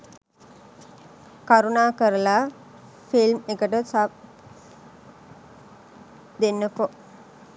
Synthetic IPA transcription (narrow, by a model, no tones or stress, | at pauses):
kaɾunaːkəɾəla | filmekəʈəsap̚ | d̪enːəpo